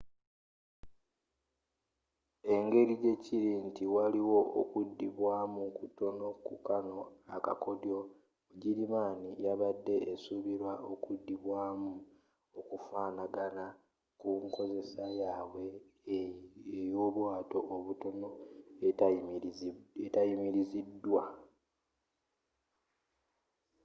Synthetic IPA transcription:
e̞ŋɡe̞ɾiɟe̞ciɾintiwaliwo̞ʔo̰kudːiβwaːmukuto̞no̞kukano̞a̰ka̰ko̞djo̞ | ɟiɾimaːnijaβadːe̞ːsuβiɾwaʔokudːiβwaːmu | okufaːnaɡana | kuŋko̞ze̞sajaːβwe̞ | ejo̞ːβwaːto̞ʔːβuto̞no̞ | etajimiɾizidːwa

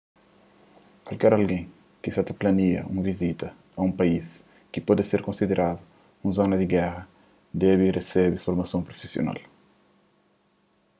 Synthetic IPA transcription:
kwalkɛɾalɡẽj̃ | kisat̪ɐplɐniɐ̰ṵ̃vizit̪ɐ | ɐũpɐis | kipɔd̪ɐseɾkõnsid̪eɾʔad̪u | ũzonɐd̪iɡɛrɐ | d̪ɛβiresɛbifoɾmɐsõpɾofisjo̰na̰l

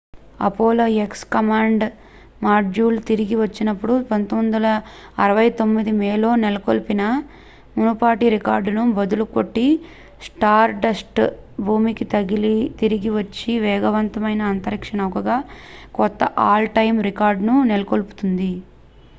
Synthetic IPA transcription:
ɐ̰poːlɐekskɐmaːɳɖ | maːɾd͡ʒuːlt̪iɾiɡiʋɐt͡ʃːinɐpːuɽupɐnt̪omnd̪ɐlɐːɾɐʋɐjt̪o̞mːid̪imɛːlo̞ːnelɐkolupinɐ | munupaːʈiɾikaːɾɖnubɐd̪ulukoʈːi | sʈaːɾɖɐsʈbʱuːmikit̪ɐɡilit̪iɾiɡiʋɐt͡ʃːiʋɛːɡɐʋɐnt̪ɐmɐjnɐːnt̪ɐɾikʂɐɳɐkɐɡaːkɔt̪ːɐʔaːlʈɐjmɾikaːɾɖnunelɐkolpu̥t̪und̪i

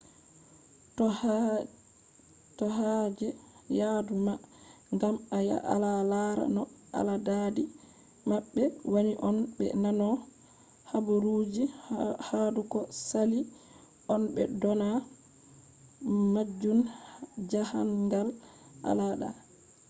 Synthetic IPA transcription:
t | tɔɦad͡ʒɛjaduma | ŋɡamaja̰ʔa̰lalaɾa̰nɔ | a̰ladadi | maɓːɛwaniʔɔnbɛ̰nanɔ | habuɾud͡ʒihadukɔsali | ʔɔnbɛ̰dɔna | mad͡ʒːund͡ʒahanɡal | ʔa̰laɗa̰

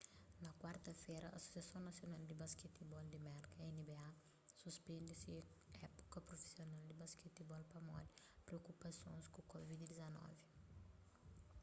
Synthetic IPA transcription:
nakwart̪ɐfɛɾɐa̰so̥sjasjõnnɐt̪sjonald̪ibasket̪ːibɔld̪imɛɾkaɛnibea | suspɛ̃nd̪isi | ɛpo̥kɐpɾofe̥sjonald̪ibasket̪ːibɔlpɐmɔ̰li | pɾeokːupɐsjõnskukɔvid̪d̪izɐnɔ̰vi

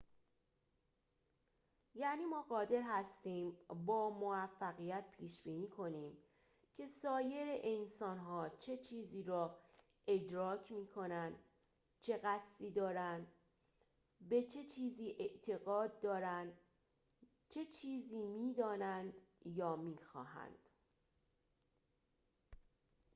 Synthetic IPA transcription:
jæːniːmɒːɢɒːd̪e̞ɾɦæst̪iːmbɒːmovæfːæɣijæt̪̚pʰiːʃb̥iːniːkʰo̞niːm | cʰe̞sɒːje̞ɾeʔensɒːnɦɒːt͡ʃʰe̞t͡ʃʰiːziːɾɒː | ʔe̞d̪ɾɒːcʰmiːkʰo̞nænd̪ | t͡ʃʰe̞ɣæst̪iːd̪ɒːɾænd̪ | be̞t͡ʃʰe̞t͡ʃʰiːziːʔe̞ʔt̪ʰe̞ɣɒːd̪̚ːɒːɾænd̪ | t͡ʃʰe̞t͡ʃʰiːziːmiːd̪ɒːnænd̪jɒːmiːxɒːɦæ̰nd̪̥

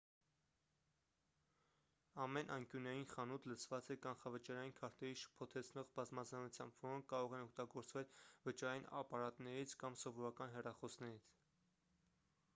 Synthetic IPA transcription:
ɑmɛnʔɑŋkjunɑjinχɑnut̪ʰlət͡sʰvɑt͡sɛkɑnχɑvət͡ʃɑɾɑjinkʰɑɾt̪ɛɾiʃə̥pʰɔt̪ʰɛt͡sʰnɔʁbɑzmɑzɑnut͡sʰjɑmbvɔɾɔŋkʰkːɑɾɔʁɛnɔk̚ʰt̪ɑɡɔɾt͡svɛlvət͡ʃɑɾɑjinɑ̰pɑɾɑt̪nɛɾit͡sʰkɑmsɔvɔɾɑkɑnɦɛrɑχɔsnɛɾit͡sʰ

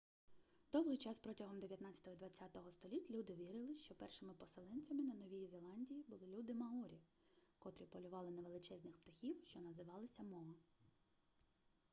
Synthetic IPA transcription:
d̪̥ɔwɦɪjt͡ʃɑspɾɔtʲɐɦɔmd̪eʋʲjɐt̪nɑat͡sʲɐ̥t̪ɔɦɔd̪ʋɐt͡sʲːat̪ɔɦɔst̪ɔlʲitʲlʲud̪ɪʋʲiɾɪlˠɪʃt͡ʃɔpɛrʃɪmɪpɔselˠɛnʲt͡sʲɐmɪnɐnɔʋʲijizelˠɑnʲdʲijibʊlˠɪlʲud̪ɪmɐɦuɾʲi | kɔt̪ɾʲipɔlʲʊʋɑlˠɪnɐʋe̞lˠɪt͡ʃɛzʲnʲɪxpt̪ɐxʲiwʃt͡ʃɔnɐzɪʋɑlˠɪsʲɐmɔɦɐ

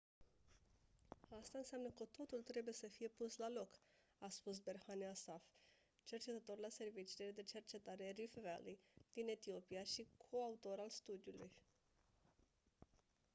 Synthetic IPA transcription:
ast̪aɨnseamnəkət̪o̞t̪ult̪ɾe̞buje̞səfije̞puslalo̞k | aspus̬be̞rhaniasaf | t͡ʃe̞rt͡ʃe̞t̪ət̪o̞rlase̞rvit͡ʃile̞d̪e̞t͡ʃe̞rt͡ʃe̞t̪aɾe̞rifvelid̪̥ine̞t̪io̞pijaʃikʰo̞aut̪o̞ɾalst̪ud̪iulṵj

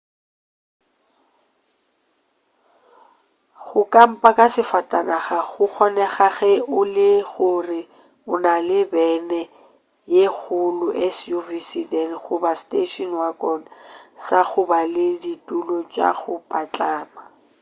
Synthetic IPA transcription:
χʊkʼam̩pʼakʼasɪfatʼanaχaɣʊk͡xʰɔnɛχaɣɛʊlɪɣʊrɪ | ʊnalɪbɛnɛ | jek͡xʊlʊʔɛsjuvisidɛnχʊbastʼeʃɔnwakʼɔnsaχʊbalɪditʼulɔt͡ʃʼa̰ɣʊpʼat͡ɬʼaːma

